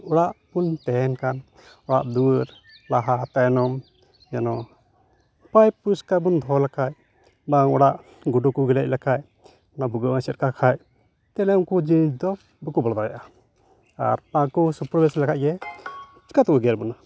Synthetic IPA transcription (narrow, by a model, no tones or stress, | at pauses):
ɔɽaʔpunt̪ɛɛnkan | ɔɽa̰ʔd̪uɾ | laɦat̪ajnɔm | janɔ | pajpuskabund̪ʱɔlakaj | baŋɔɽaʔ | ɡuɖukuɡɛlɛc̚lakaj | nabuɡəasɛt̪̚kakʰaj | t̪ɛlɛukud͡ʒid͡ʒd̪ɔ | bukubɔld̪ɔja̰ʔa | a̰ɾpãkusupɾbɛslakaʔ̚ɡɛ | t͡ʃkat̪uwəɡɛɾbuna